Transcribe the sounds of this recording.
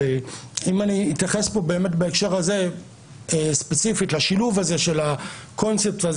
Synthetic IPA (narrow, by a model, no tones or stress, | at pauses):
imaniːt̪jaχespo̞be̞eːme̞tbeekʃe̞ʁhaze̞ | espet͡sifitlaʃiluvaze̞ʃe̞lako̞nt͡sep̚taz